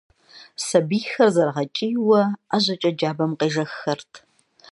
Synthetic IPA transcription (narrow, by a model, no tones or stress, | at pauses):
sɐbiːxɐrzɐrʁɐt͡ʃʼijwɐaʑɐt͡ʃʼɐd͡ʒaːbɐmqeːʒɐxːɐrtʰ